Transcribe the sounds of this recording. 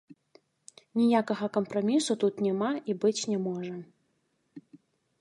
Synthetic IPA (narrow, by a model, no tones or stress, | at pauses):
nʲijakɐɣɐkɐmpɾɐmʲisut̪ut̪nʲɛmaʔibɨt͡sʲnʲɛmɔʐɐ